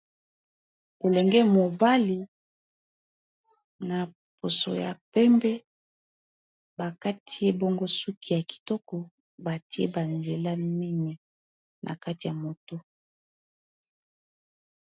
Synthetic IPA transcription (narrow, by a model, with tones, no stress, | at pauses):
ko˨lɛ˨ŋɡɛ˦mo˨ba˦li˨ | na˨ | po˨so̰˨ja̰˨pɛ˦mbɛ˦ | ba˨ka˦tʰi˦e˦bo˦ŋɡo˦su˦ki˦ja˨ki̥˨tɔ˦kɔ˨ | ba˨ti˦ḛ˦ba˨nze˨la˦mi˦ɲa˨ | nʔa̰˨ka˦ti˨ja˨mo˨to˦